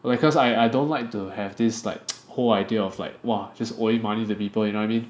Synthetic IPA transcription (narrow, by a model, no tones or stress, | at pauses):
laɪkɔsaɪaɪdõntlaɪk̚tuhɛvdɪsla̰ɪk̚holaɪdiəɔfla̰ɪk̚wad͡ʒʌso̰ĩmanitupipəljũnoaɪjmĩn